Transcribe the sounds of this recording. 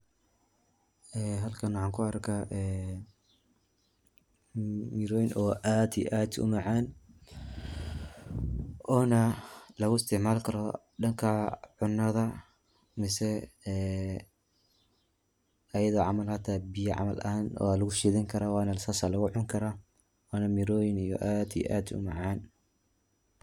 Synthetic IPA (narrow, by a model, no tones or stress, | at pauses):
ɛːɦɐlkʰɐnwɑħɑːŋkʰʊɐrkʰaʔɛː | mɪɾɔjnʔɔːʔaːd̪ḭʔaːd̪ʊ̰mɐʕɑːn | ʔɔːnɐlɐɣʊɪst̪ʰɪʕmaːlkʰɐɾɔ | ɖɐŋkʰɐʕʊnːɐðɐ | mɪsɛɛː | ɐjɐðɔːʕɑmɐlhɐt̪ʰaːbɪjɐʕɑ̰mɐlʔɐnɔ̰ːlɐɣʊʃiːðɪŋkʰɐɾawɑːnɐsaːsalɐɣʊʕʊŋkʰɐɾa | wɑːnɐmɪɾɔːjɪnijɔʔaːd̪ḭʔa̰ːd̪ʊ̰mɑʕɑːn